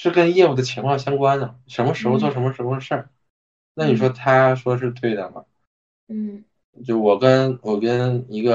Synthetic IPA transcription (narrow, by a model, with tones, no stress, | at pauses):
ʂɻ̩˥˩kə˥njɛ˥˧u˥˩d̪ə˩t͡ɕʰi˧˥ŋkʰwɑ˥˩ŋɕjɑ˥ŋkwa˥nnə˨ʂə˧˥nmə˧ʂɻ̩˧˥xo˧ʊt͡swɔ˥˩ʂə˧˥nmə˧ʂɻ̩˧˥xo˧ʂɻ̩˥˩ | na˥˩ni˨˩ʂwɔ˥t̪ʰa˥ʂwɔ˥ʂ̬ɻ̩˥˧t̪we˥˩ɪd̪ə˩mɐ̰˩˥˩ | t͡ɕjo˥˩ʂwɔ˨˩kə˥nwɔ˨˩kə˥ni˧˥ɡə˧